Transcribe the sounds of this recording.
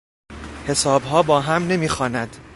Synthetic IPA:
he̞sɒːbɦɒːbɒːɦæmne̞miːxɒːnæd̪̥

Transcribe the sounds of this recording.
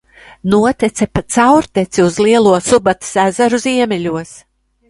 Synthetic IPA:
nuɔt̪ɛt̪sɛpat̪sawɾt̪ɛt̪siuzlˠiɛlˠuɔsubat̪i̥sæzaɾuziɛmʲilʲuɔs

